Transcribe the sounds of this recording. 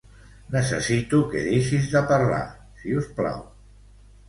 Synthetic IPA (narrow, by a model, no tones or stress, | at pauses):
nəsə̰sit̪ukḛðiʃizðəpəɾla̰ | siuspla̰w